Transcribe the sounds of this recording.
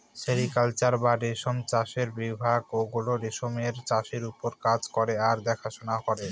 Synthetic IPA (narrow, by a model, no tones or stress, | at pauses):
ʃeɾikalt͡ɕaɾbaɖeʃomt͡ɕaʃeɾbɾibʱaɡoɡuloɖeʃomeɾt͡ɕaʃeɾupoɾkad͡ʑkoɾeaɾd̪ɛkʰaʃonakɔɾe